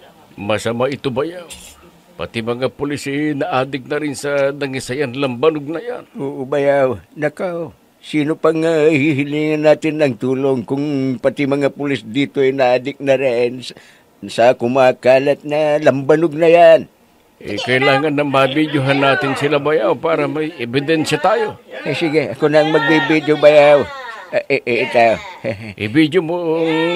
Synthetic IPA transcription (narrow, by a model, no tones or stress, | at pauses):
mɐsamaʔɪt̪obajaw | pa̰t̪ɪmɐŋapʊlɪsɛnɐʔaːd̪ɪk̚nɐɾɪnsɐnɐŋisajanlɐmbanʊɡ̚nɐja̰noːʔobɐjawnɐkaw | siːnopaŋːahiɦɪliːŋanːaːt̪ɪnːɐŋt̪uːloŋkʊŋpɐt̪ɪmɐŋapʊlɪsd̪iːt̪oɛnɐʔaːd̪ɪk̚nɐɾɪn | sɐkʊmaːkaːlɐt̪̚nɐlɐmbɐnʊɡ̚nɐjan | ʔɛ̰kɐɪlaːŋɐnːɐŋmabid̪joɦanːaːt̪ɪnsɪlabajawpaːɾɐmɐjɛbɪd̪ɛnsjat̪aːjoasɪɡɛɐkonɐʔɐŋmɐɡ̚bibid̪jobɐjawʔʔeʔɪt̪aoʔɪ̰bid̪jomoŋ